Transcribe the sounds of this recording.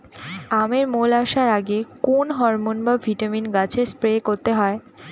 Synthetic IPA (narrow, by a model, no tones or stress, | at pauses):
ameɾmolaʃaɾaɡekonɦɔɾmonbavʱiʈaminɡat͡ɕʰespɾekoɾt̪eɦɔe